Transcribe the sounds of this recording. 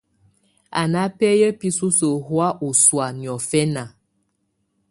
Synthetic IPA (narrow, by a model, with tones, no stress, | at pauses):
a̰˨na˦pɛ˦jə˦pi˦su˦so˨ɦwa˦ʔu˨swa˨ni˨ɔ˨fɛ˦na˨